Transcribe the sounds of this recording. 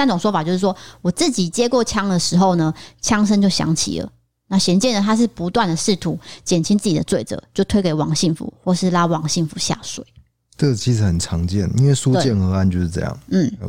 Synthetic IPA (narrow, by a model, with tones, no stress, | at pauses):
jnʈ͡ʂo˨˩ŋʂwɔ˥fa˨t͡ɕo˥˧ʊʂɻ̩˥˩wɔ˥wɔ˨˩t͡s̩˥˩t͡ɕi˨˩t͡ɕjɛ˥kwɔ˥˨˩t͡ɕʰjɑ˥ŋd̪ə˨ʂɻ̩˧˥xo˥˩ʊnə˨t͡ɕʰjɑ˥ŋʂ̬ə˥nt͡ɕjo˥˩ʊɕjɑ̰˧˥ŋt͡ɕʰḭ˨˩lə̰˦ | na˥˩ɕjɛ˧˥nt͡ɕjɛ˥˩nd̪ə˨˩t̪ʰa˥ʂ̬ɻ̩˥˩pu˧˦t̪wa˥˩nd̪ə˩ʂɻ̩˥˩t̪ʰu˧˥t͡ɕjɛ˨˩nt͡ɕʰi˥ŋt͡sɹ̩˥˩t͡ɕi˨d̪ə˦t͡swe˥˩ɪt͡sɤ̰˨˩˦t͡ɕjo˥˩ʊt̪ʰwe˥ɪke˨˩ɪwɑ˧˥ŋɕi˥˩ŋfṵ˨˧˦xwɔ˥˩ʂɻ̩˥˩la˥wɑ˧˥ŋɕi˥˩nfu˧˥˦ɕja̰˥˩swḛ˨˩ɪ | ə˥˩t͡ɕʰi˧˥ʂɻ̩˨˦xə˨˩nʈ͡ʂʰɑ˧˥ŋt͡ɕjɛ̰˥˩nḭ˥nwe˥˩ɪsu˦wet͡ɕjɛ˥˨nxɤ˧˦a˥˧nt͡ɕjo˥˧ʊʂɻ̩˥˧ʈ͡ʂɤ̰˥˧jɑ̰˥˩ŋn̩˥˩